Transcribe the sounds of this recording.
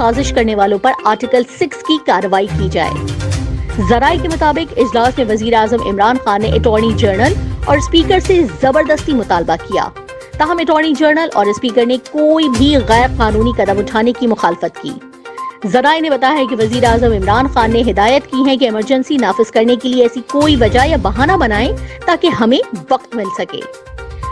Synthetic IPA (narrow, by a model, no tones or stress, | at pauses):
saːzɪʃkɐɾneʋaːlõpɐɾaːɾʈɪkəlsɪkskikaːɾəʋaːikid͡ʒa̰ːḛː | zɐɾaːekemʊt̪aːbɪqɪd͡ʒlaːsnẽʋɐziːɾeaːzəmɪ̰mɾaːnxaːnːeʔɪʈɔːɾnid͡ʒəːɾnəlɔ̰ːɾɪspiːkəɾsezɐbəɾd̪əst̪imʊt̪aːlbakija̰ː | t̪aːɦɐmɛʈɔːɾnid͡ʒəːɾnəlʔɔːɾɪspiːkəɾnekoːibʱiɣɛːɾqaːnuːnikɐd̪əmʊʈʰaːnekimʊxaːlɪfət̪kḭː | zɐɾaːenẽbɐt̪aːjaɦɛ̃keʋɐziːɾeaːzəmɪmɾaːnxaːnːeɦɪd̪aːjət̪kiɦɛ̃k̬eɛməɾd͡ʒə̃nsinaːfɪz̥kɐɾnekelieɛːsikoːiʋɐd͡ʒajabɐɦaːnabɐnaːẽt̪aːkeɦɐmẽʋɐqt̪mɪlsɐkḛː